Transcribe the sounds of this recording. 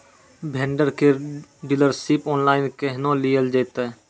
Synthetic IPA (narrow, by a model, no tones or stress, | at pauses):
bʱẽːɳɖəɾkeɖɪləɾsɪpoːnlaːɪnkeɦnõlijəld͡ʒeːt̪e